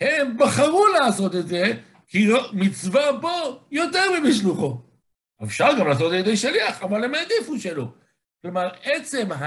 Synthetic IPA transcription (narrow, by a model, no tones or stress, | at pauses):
he̞mbaχaʁuleːso̞t̪etd̪ze̞ | kiomit͡svabojo̞t̪eʁmimiʃluχo̞ | efʃaʁɡamlaːs̬ot̪ed̪ejʃaliaχamalemed̪ifuʃelo | klomaʁet͡se̞mɦa